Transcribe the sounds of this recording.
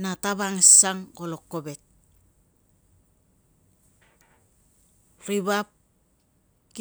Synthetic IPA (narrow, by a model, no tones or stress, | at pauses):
nataβaŋesaŋkolokːobet̚ | ɾiβap̚ | ki